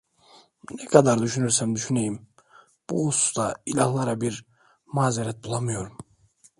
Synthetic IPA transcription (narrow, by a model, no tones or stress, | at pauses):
nɛkʰad̪aɾd̪yʃynyɾsæmd̪yʃynejim | b̥uusu̥st̪ailʲahlˠaɾabiɾ | maːzeɾɛt̪̚bulˠamɯjo̞ɾum